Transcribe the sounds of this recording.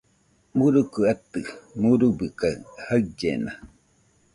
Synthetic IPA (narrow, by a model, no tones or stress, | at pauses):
muɾukəat̪ɯmuɾubikahad͡ʒḛna